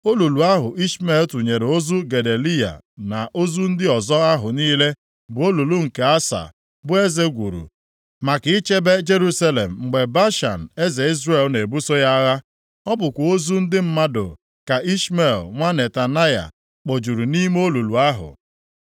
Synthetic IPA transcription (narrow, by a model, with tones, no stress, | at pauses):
o˦lu˨lu˨a˦ɦʊ˨ʔi˦ʃme˦˨ltu˨ɲe˨ɾo˦zu˦ɡe˨de˨li˦ja̰˨ | na˨ʔo˦zu˦n̩˦dɪ˦ɔ˨zɔ˦a˦ɦʊ˨niː˦le˦ | bʊ˨o˦lu˨lu˦ŋ̩˨ke˨a˦sa̰˨ | bʊ˦e˦ze˦ɡʷu˨ɾṵ˨ | ma˨kɪ˨˦ɪ˦t͡ʃe˦be˦d͡ʒe˦ɾu˦sa˦lḛ˨m̩˨ŋ͡m̩˨ɡ͡be˨ba˦ʃa̰˨n̩˨e˦ze˨i˦zɾe˦˨lne˨bu˦so˦ja˦ɣa˦ | ɔ˦bʊ˨kʷa˨o˦zu˦n̩˦dɪ˦m̩˦ma˦do̰˨ | ka˨ʔi˦sme˨lŋʷa˦ne˨ta˨na˦ja̰˨ | k͡po˨d͡ʒu˨ɾu˨ni˦m˦o˦lu˨lu˨a˦ɦʊ̰˨